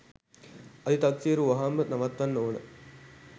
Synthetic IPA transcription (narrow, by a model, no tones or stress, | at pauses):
ɐd̪it̪aksijəɾuʋɐɦamːənɐʋat̪ʋɐnːoːnə̰